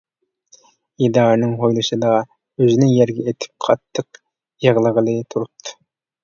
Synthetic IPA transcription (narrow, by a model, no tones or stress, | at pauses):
id̪ɑːnɨŋɦojlˠɨʃɨd̪ɑ | øzinɪjɛɾɡʲɛet̪ʰɪ̥p̚qʰɑt̪ʰːəq | jɑʁlˠəʁəlˠɨt̪ʰuɾup̚t̪ʰːɨ̥